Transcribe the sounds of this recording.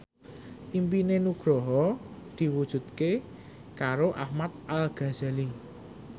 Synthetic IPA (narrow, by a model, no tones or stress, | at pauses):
ʔimpinenuɡ̥ɾɔɦɔd̪̥i̤wud̥ʒ̥ṳt̪̚ke | kaɾoʔahmat̪̚ʔalɡ̥a̤z̥ali